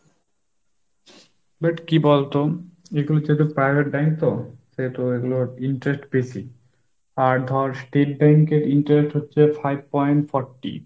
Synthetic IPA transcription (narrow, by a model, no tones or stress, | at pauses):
baʈkibɔlt̪oeɡulod͡ʑet̪opɾajbʱeʈ̚bɛŋkt̪oset̪oeɡuloiɳʈɾesʈbesi | aɾd̪ʱɔɾsʈeʈ̚bɛŋkeɾiɳʈɾesʈɦotːɕʰefajb̚pɔjɳʈfɔɾʈḭ